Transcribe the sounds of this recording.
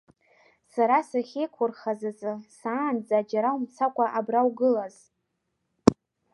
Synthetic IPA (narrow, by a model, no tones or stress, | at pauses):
saɾasaχʲe̞jkʷʰʊrχazazɨsaːnd͡zaːd͡ʒaɾaumt͡sʰakʷʼaʔabrawɡɨlaz